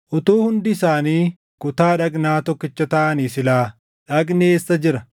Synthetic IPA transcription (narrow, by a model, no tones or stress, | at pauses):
ʔʊt̪uːhʊnd̪ɪɪsaːniː | kʊt̪aːᶑɐkʼnaːt̪ɔkːɪt͡ʃːɐt̪ɐʔɐniːsɪlaː | ᶑɐkʼneːsːɐd͡ʒɪɾɐ